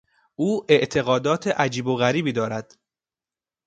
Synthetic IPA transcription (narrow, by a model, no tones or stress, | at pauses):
ʔuːʔe̞ʔt̪ʰe̞ɣɒːd̪ɒːt̪ʰeʔæd͡ʒiːboɣæɾiːbiːd̪ɒːɾæd̪̥